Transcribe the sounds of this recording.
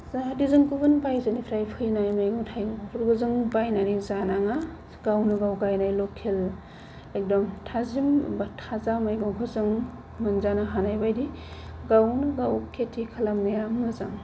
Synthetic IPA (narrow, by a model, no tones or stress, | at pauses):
zadizɯŋkubɯnpajzanipʰɾajpʰɯjnajmajɡɔŋtʰajɾɡɯzɯŋbajnanizanaŋa | ɡ̥awnɯɡawɡajnajlɔkʰel | ek̚dɔmtʰazimbatʰazamajɡɔŋkʰɯzɯŋ | mɯnzanaɦanajbajdiɡawnɯɡawkʰetʰːikʰalamnejɾamnɯzaŋ